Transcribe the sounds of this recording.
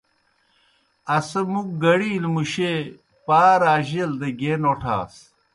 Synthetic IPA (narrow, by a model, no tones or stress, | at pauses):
ɐsemuk̚ɡɐɽiːlmuɕe | paːɾaːʑeld̪ɐɡeːnoʈʰa̰ːs